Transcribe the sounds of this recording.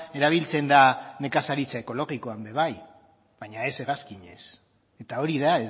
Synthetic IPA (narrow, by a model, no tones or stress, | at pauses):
e̞ɾaβ̞ilt͡se̞nd̪ane̞kasaɾit͡sae̞ko̞lo̞ɣiko̞ambe̞β̞aj | βajɲae̞se̞ɣaskiɲe̞s | e̞t̪ao̞ɾiðae